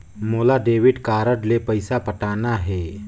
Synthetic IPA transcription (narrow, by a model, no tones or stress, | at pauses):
moːlaɖeːʋɪɖkaːɾəɖlepəɪsapəʈaːnaɦɛː